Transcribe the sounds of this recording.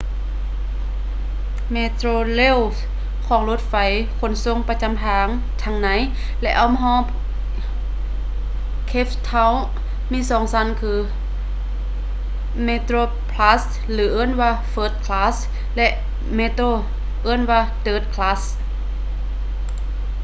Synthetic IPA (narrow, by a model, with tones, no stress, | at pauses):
meː˧t̪ɾoː˧le˧˥˨w | kʰɔː˨˦ŋlo˧˥t̪̚fa˨˦j | kʰo˧˥˨nso˧˥˨ŋpa˧t͡ɕa˧˥˨mt̪ʰaː˨˧˦ŋ | t̪ʰa˧ŋna˨˦j | lɛ˧ʔa˧wm˧ɦɔː˧˥˨p | kʰe˧˥ft̪ʰa˧˥w | miː˧˥˨sɔː˨˦ŋsa˧˦nkʰɯː˧˩ | meː˧t̪ɾoː˧ | pʰla˧˥s | lɯː˨˦ʔɤː˧˥˨nwaː˧˨fɤː˧˥t̪̚kʰlaː˧˥s | lɛ˧ʔ | meː˧˥t̪ɾoː˧˩˨ | ʔɤː˧˥˨nwaː˧d̪ɤː˨˥˩t̪̚kʰlaː˧˥s